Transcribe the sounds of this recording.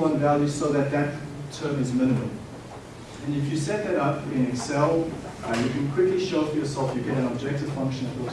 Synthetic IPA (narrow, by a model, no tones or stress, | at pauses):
ʌ̃nvælˠjʉsoʊðɨt̪̚ðɨttʰɜ̃˞mɨzmɪ̃nɨmə̃m | ɨ̃nɨfjɨsɛt̪̚ðɨɾʌpɪ̃nɨsɛlˠ | jɨkʰɨ̃nkʰw̥ɪkliʃoʊfəjə˞sɛlˠfjɨɡɛɾɨ̃nɑb̚d͡ʒɛk̚tɨv̥fʌ̃ŋkʃɨ̃n̩fə